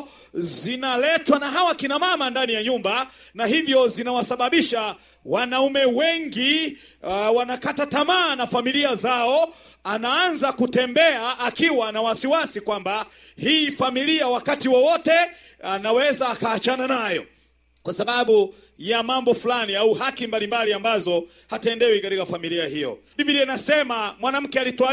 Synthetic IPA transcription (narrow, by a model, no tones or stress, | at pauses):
zinalɛtwanaɦawakinamamandanijaɲumbanahivjɔzinawasaɓaɓiʃa | wanaumɛwɛŋɡi | wanakatatamaːnafamiliazaɔ | anaanzakutɛmbɛaːkiwanawasiwasikwamba | hiːfamiliawakatiwɔwɔtɛ | anawɛzaːkaːt͡ʃananajɔ̰ | kwasaɓaɓu | jamambɔfulaniauhakimbalimbaliambazɔ | hatɛndɛwikatikafamiliahijɔ̰biɓiɾiɛnasɛmamwanam̩kɛalitwa